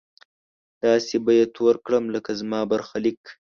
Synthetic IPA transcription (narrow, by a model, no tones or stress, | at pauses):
t̪ɑːsebajet̪ʰoɾkɽəmləkazmɑbaɾxalik